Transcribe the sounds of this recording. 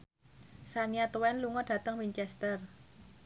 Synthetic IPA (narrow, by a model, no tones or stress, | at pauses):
saniat̪uwɛnluŋɔd̥a̤t̪əŋwiɲt͡ʃɛst̪ər